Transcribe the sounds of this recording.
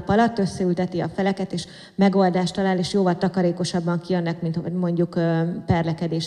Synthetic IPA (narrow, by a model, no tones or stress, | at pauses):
pɒlɒt̪ːø̞sːɛylt̪ɛt̪iɒfɛlɛkɛt̪eːʃ | mɛɡo̞ld̪aːʃt̪ɒlaːleːʃjoːvɒlt̪ɒkɒɾeːko̞ʃɒbːɒŋkiønːɛkmint̪mo̞ɲɟukpɛrlɛkɛd̪eːʃ